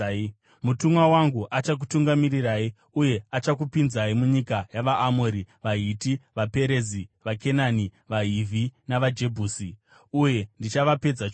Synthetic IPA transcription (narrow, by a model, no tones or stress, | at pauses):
mutumwawaŋɡuʔat͡ʃak̬u̥tuŋɡamiriraːi | uje̞at͡ʃak̬upinzaimuɲikajaʋaʔːmoɾiʋaɦitiʋape̞ɾe̞ziʋake̞nani | ʋaɦivʱinaʋad͡ʒe̞bʱuːsi | uje̞ndit͡ʃaʋape̞d͡za